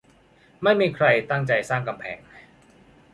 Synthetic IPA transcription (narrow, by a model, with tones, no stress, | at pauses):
ma˥˩jmiː˧kʰɾa˧jt̪a˥˩ŋt͡ɕa˧jsaː˥˩ŋka˧mpʰɛ̰ː˩˦ŋ